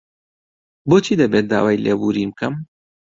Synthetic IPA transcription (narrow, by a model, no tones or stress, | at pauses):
boːt͡ʃʰiːd̪ɐbet̪̚d̪a̰ːwaːjlʔeːbuːɾiːmɨkʰɐm